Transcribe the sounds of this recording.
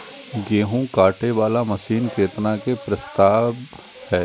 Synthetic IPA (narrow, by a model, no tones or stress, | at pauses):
ɡeːɦũkaːʈeʋaːlamɐʃiːnkeːt̪nakepɾɐst̪aːb | hɛː